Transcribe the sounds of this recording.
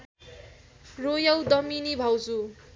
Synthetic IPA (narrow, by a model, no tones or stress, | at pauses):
rojʌwd̪ʌminibʱawt͡su